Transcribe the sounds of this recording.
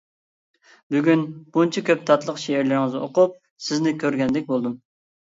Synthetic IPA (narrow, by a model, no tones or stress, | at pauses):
byɡʲynb̥unt͡ʃʰɛkʲøp̚t̪ʰɑt̪lˠəqʃeɪɾlɪɾɪŋɨzo̰qʊp̚ | sɪznɪkʲʰøɾɡʲɛnd̪ɛk̚ʲbolˠd̪um